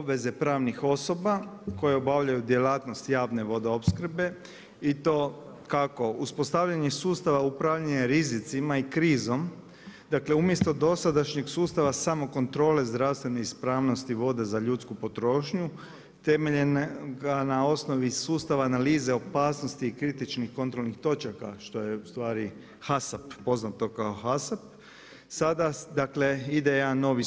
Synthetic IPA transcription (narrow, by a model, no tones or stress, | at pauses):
obʋe̞ze̞pɾaːʋnixo̞so̞bako̞je̞obaʋʎajud̪jelaːt̪no̞st̪jaːʋne̞ʋo̞d̪eo̞pskr̩be̞ | it̪o̞ | kako̞uspo̞st̪aʋʎaɲesuːst̪aʋaupɾaʋʎaɲeɾizit̪simaikɾiːzo̞m | d̪akle̞umje̞st̪o̞d̪o̞sad̪aʃɲeɡsuːst̪aʋasamo̞ko̞nt̪ɾo̞ːle̞zd̪ɾawst̪ʋe̞neispɾaːʋno̞st̪iʋo̞d̪e̞zaʎut̪skupo̞t̪ɾo̞ːʃɲu | t̪e̞meʎenɡanao̞sno̞ʋisuːst̪aʋaːnaliːze̞o̞paːsno̞st̪iːkɾit̪it͡ʃnixko̞nt̪ɾo̞lnixt̪o̞t͡ʃaka̰ʃt̪o̞je̞ust̪ʋaːɾi | hasapːo̞znat̪o̞kaoxasap̚ | sad̪ad̪akle̞id̪ejano̞ʋi